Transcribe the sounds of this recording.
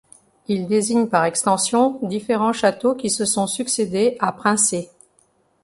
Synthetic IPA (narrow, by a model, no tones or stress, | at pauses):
ild̪eziɲpaʁɛkst̪ɑ̃sjɔ̃d̪ifeʁɑ̃ʃat̪okʲisəsɔ̃syksed̪eapχɛ̃se